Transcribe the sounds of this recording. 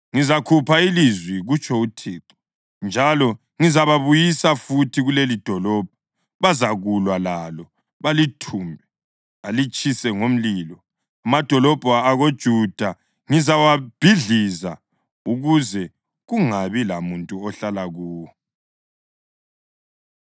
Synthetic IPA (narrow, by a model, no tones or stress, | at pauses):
ŋizakʰupʰailizwiɣut͡ʃʰʼɔutʰiːǃɔ̥ | nd͡ʒʱalɔ | ŋizaβaβujisafutʰiɣulelid̥ʱɔlɔb̥ʱɔ | βazaɣulwalalɔ | βalitʰumbʱɛ | alit͡ʃʼisɛŋom̩liːlɔ | amad̥ʱɔlɔb̥ʱɔaɣod̥ʒ̥ʱud̥ʱa | ŋizawab̥ʱiɮiza | uɣuzɛ | ɣuŋaβilamuntʼuɔɬalaɣuːwɔ